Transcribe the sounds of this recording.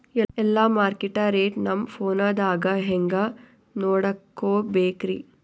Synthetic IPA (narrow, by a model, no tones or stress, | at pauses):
ɛɛlːamaːɾkiʈaːɾeːʈnɐmpʰoːnaːd̪aːɡɐɦɛŋɡɐ | noːɽɐkːoːbeːkɾi